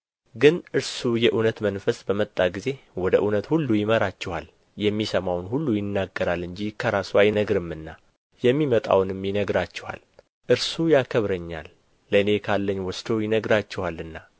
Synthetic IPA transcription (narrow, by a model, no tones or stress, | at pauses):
ɡɨnʔɨɾsujɛʔunət̪mənfəsbəmət̪ʼːaɡize̞wɔd̪əʔunət̪hulːujɪməɾat͡ʃːɛha̰l | jɛmːisəmawnhulːujɪnːaɡːəɾalɨɲd͡ʒikʰəɾasuajnəɡɾɨmːɨnːa | jɛmːimət̪ʼa̰wnɨmːjɪnəɡɾat͡ʃːɛha̰l | ʔɨɾsujakʰəβɾəɲːa̰lː | əɨne̞kʰalːəɲːwɔsd̪ojɪnəɡɾat͡ʃːɛhalːɨnːa